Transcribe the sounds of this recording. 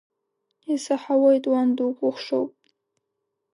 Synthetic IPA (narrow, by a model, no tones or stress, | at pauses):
isaħawajtʼwand̪ukʷʼuχʂo̰wpʼ